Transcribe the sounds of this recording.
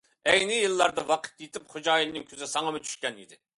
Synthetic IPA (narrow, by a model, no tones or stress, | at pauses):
ɛjnɪjɨlˠːɑɾd̪ɑwɑqʰə̥t̪jet̪ɪpχod͡ʒɑːjilnɪŋkʲʰøzɪsɑŋɑmɨt͡ʃʰy̥ʃkʲɛnḭd̪ɪ